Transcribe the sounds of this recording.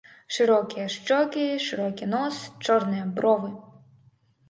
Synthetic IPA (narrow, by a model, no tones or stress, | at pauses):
ʃɪɾɔkʲijɐʃt͡ʃɔkʲɪʃɪɾɔkʲinɔst͡ʃɔɾnɪjɐbɾɔʋɪ